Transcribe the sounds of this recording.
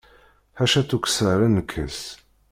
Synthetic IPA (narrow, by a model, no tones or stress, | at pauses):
ħæʃæt͡sːuksəɾˤænəkʰːə̰s